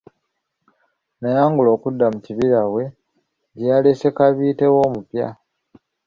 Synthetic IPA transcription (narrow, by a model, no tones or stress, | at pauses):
najaːŋɡulo̞ːkudːamuciβiɾawe̞ | ɟalese̞kaβiːte̞wo̞ːmupja̰